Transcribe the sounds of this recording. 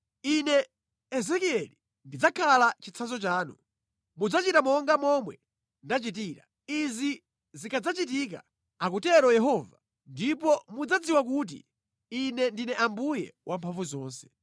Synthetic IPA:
inɛ | ɛzɛkiɛli | ndid͡zakʰalat͡ʃit͡sʰazɔt͡ʃaːnṵ | mud͡zat͡ʃitamɔŋɡamɔmwɛ | ndat͡ʃit̬iːɾa̰ | izi | zikʰad͡zat͡ʃit̬ik̬a̰ | ak̬utɛɾɔjɛɦɔːva | ndipɔmud͡zad͡ziwak̬uːt̬ḭ | inɛndinɛʔambujɛ̰wʔampʰaɱvuzɔːnsɛ̥

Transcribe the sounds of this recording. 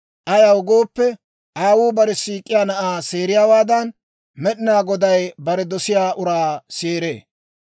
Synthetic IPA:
ʔɐjɐwɡoːpːɛ | aːwuːbɐɾɛsiːkʼːɪjaːnɐʔaːse̞ːɾɪjaːwaːd̪ɐn | mɛɗɪnaːɡɔd̪ɐjbɐɾɛd̪ɔsɪjaːʔʊɾaːseːɾḛː

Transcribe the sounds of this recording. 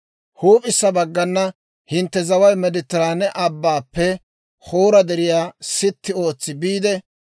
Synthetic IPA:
huːpʼɪsːɐbɐɡːɐnːɐ | hɪnt̪ːɛzɐwɐjmɛd̪ɪt̪ːɪɾaːnɛʔɐbːaːpːɛ | hoːɾɐd̪ɛɾɪjaːsɪt̪ːɪo̞ːt͡sːɪbiːd̪ɛ

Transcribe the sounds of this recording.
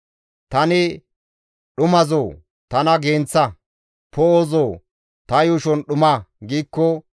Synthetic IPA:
t̪ɐnɪ | ɗʊmɐzoː | t̪ɐnɐɡeːnt͡sːɐ | pɔoːzoː | t̪ɐjʊʃɔnɗʊmaɡiːkːɔ

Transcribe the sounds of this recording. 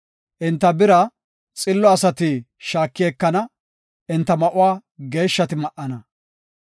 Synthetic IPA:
ʔɪnt̪ːɐbɪɾɐ | t͡sʼɪlːɔɐsɐt̪ɪ | ʃaːkːɪeːkːɐnɐ | ʔɪnt̪ːɐmɐʔʊwaːɡe̞ːʃːɐt̪ɪmɐʔɐnɐ

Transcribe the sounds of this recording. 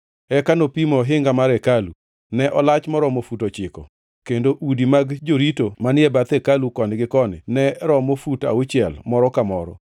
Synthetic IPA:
ɛkanopimɔɦɪŋɡamaɾɛkalu | nɛʔɔlat͡ʃmɔɾɔmofutot͡ʃɪkɔ | kendoʔudimaɡd͡ʒoɾitomanɪɛbat̪ɛkalukɔnɡɪkɔnɪ̰nɛɾɔmofuta̰ʊt͡ʃɪɛlmɔɾɔkamɔɾɔ̰

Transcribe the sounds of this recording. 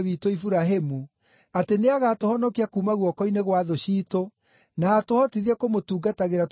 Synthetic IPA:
βitoifuɾaɦemu | ateneaɣatohɔnɔkiakuːmaɣwɔkɔineɣwaðoɕiːto | naːtohɔtiðiɛkomotuːɡataɣeɾat

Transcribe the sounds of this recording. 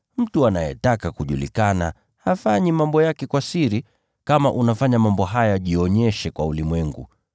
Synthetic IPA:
m̩tuanajɛ̰takakuʄulḭkana̰ | hafaɲimambɔjakɛkwasiɾi | kamaʔunafaɲamambɔɦajaʄiɔɲɛʃɛkwaulimwɛŋɡṵ

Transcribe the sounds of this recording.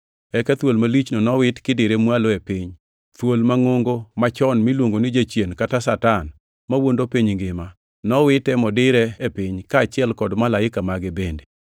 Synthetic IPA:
ɛkat̪wolmalit͡ʃnonɔwɪtkɪdɪɾemwaloepɪɲ | t̪wolmaŋoŋɡomat͡ʃɔnmilwoŋɡonɪd͡ʒat͡ʃjenkatasatan | mawondopiɲŋɡɪma | nɔwɪtɛmɔdɪɾɛepɪɲkaːt͡ʃɪɛlkɔdmalaɪkamaɡebende

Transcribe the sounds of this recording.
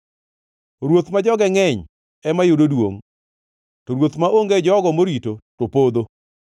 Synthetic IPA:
ɾwot̪mad͡ʒɔɡɛŋɛɲ | ɛmajʊdodwoŋ | tɔɾwot̪maʔoŋɡed͡ʒɔɡɔmoɾitotopod̪o

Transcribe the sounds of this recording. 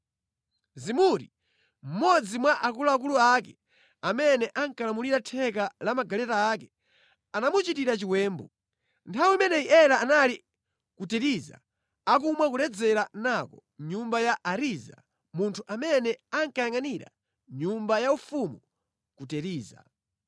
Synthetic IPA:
zimuɾi | m̩mɔd͡zimwaʔakulaak̬uluakɛ | amɛnɛʔaŋkalamuliɾatʰɛk̬alamaɡalɛtaːkɛ | anamut͡ʃitiɾat͡ʃiwɛːmbɔ | ntʰawmɛnɛiʔɛɾaːnali | kutɛɾiza̰ | ak̬umwakulɛd͡zɛɾanakɔɲumbajaʔaɾiza̰ | muntʰuʔamɛnɛaŋkajaŋaniɾa̰ | ɲumbajaufumu | kutɛɾiːza̰

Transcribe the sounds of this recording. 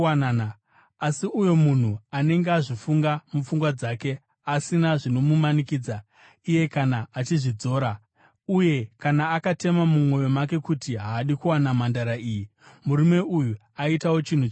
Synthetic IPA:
anana | asiʔujo̞mun̤uane̞ŋɡeaʐifuŋɡamufuŋɡwad͡zaːke̞ | asinaʐino̞mumanikiːd͡za | ije̞kanaːt͡ʃiʐid͡zo̞ːɾa | uje̞kanaːkate̞mamumwo̞jo̞make̞kutiɦaːɗikuwanamandaɾaiːji | muɾume̞ʔuju | aitawo̞t͡ʃin̤u

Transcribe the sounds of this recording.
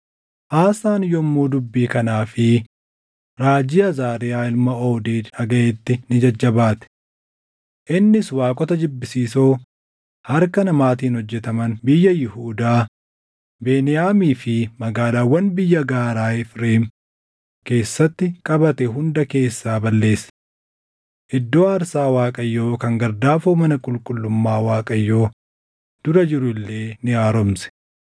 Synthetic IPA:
ʔaːsaːnjɔmːuːd̪ʊbːiːkɐnaːfɪ | ɾaːd͡ʒɪjɐzaːɾɪjaːɪlmɐoːd̪eːɐɡɐet̪ːɪnɪd͡ʒɐd͡ʒːɐbaːt̪ɛ̥ | ʔɪnːɪswaːkʼɔt̪ɐd͡ʒɪbːɪsiːsoː | hɐɾkɐnɐmaːt̪iːnhɔd͡ʒːɛt̪ɐmɐnbɪjːɐjɪhuːd̪aː | beːnɪjaːmiːfɪmɐɡaːlaːwːɐnbɪjːɐɡaːɾaːɪfɾeːm | ke̞ːsːɐt̪ːɪkʼɐbɐt̪ɛɦʊnd̪ɐke̞ːsːaːbɐlːe̞ːsɛ̥ | ʔɪd̪ːo̞ːɐɾsaːwaːkʼɐjːo̞ːkɐŋɡɐɾd̪aːfoːmɐnɐkʼʊlkʼʊlːʊmːaːwaːkʼɐjːo̞ː | d̪̥ʊɾɐd͡ʒɪɾʊɪlːe̞ːnɪjaːɾɔmsɛ̥

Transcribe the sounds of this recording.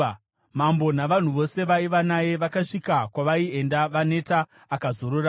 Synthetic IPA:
mambo̞naʋan̤uʋo̞se̞ʋaiʋanaje̞ʋakaʂikakwaʋaie̞ndaʋane̞taː | kazo̞ɾora

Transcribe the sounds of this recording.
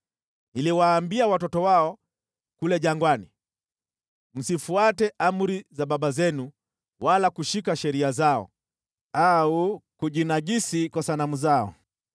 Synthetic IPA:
niliwaːmbiawatɔtɔwaɔ | kulɛʄaŋɡwani | m̩sifuatɛʔam̩ɾizaɓaɓazɛnu | walakuʃikaʃɛɾiazaɔ̰ | aukuʄinaʄisikwasanamuzaɔ̰

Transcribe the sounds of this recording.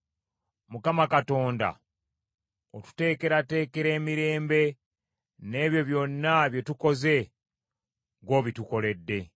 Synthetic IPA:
mukamakato̞ːnda̰ | otu̥te̞ːke̞ɾate̞ːke̞ɾe̞ːmiɾe̞ːmbe̞ | ne̞ːβjo̞βjo̞nːaβje̞tuko̞ze̞ | ɡo̞ːβituko̞le̞dːe̞

